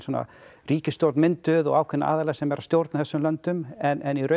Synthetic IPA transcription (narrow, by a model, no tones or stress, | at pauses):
sɔna̰riːcɪst̪jowɾt̪nmɪnt̪ʏðɔ̰ɣaːwkʰɛnːa̰a̰ːðalɛːsɛmvɛɾast̪jowɾt̪naθɛsːʏmlœnt̪ʏmɛnʔɛnirœ